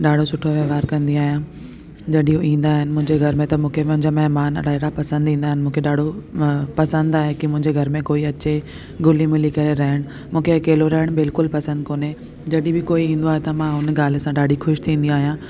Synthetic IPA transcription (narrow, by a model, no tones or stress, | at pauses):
ɗaːɖʱosʊʈʰoʋɐʋaːɾkɐ̃nd̪iaːɦijã | d͡ʑɐɗĩjũʔĩːnd̪aːɦɪnɪ̆mʊ̃ɦɪ̃ɲd͡ʑeɡʱɐɾmẽt̪ɐmũːkʰemʊ̃ɦɪ̃ɲd͡ʑaːmɐɦmaːnɐ̰ɾaeɽapɐsə̃nd̪ĩːnd̪aːɦɪn̆mũːkʰeɗaːɖʱopɐsə̃nd̪aːɦekimʊ̃ɦɪ̃ɲd͡ʑeɡʱɐɾmẽkoːiɐt͡ɕe | ɡʊlimɪlikɐɾeɾɐɦɪɽ̃ | mũːkʰekeːloɾɐɦɪɽ̃bɪlkʊlpɐsə̃nd̪̚koːne | d͡ʑɐɗĩbɪkoːiĩːn̆d̪oaːɦet̪ɐmãɦʊnɡaːlesãɗaːɖʱixʊʃt̪ʰĩːnd̪iaːɦijã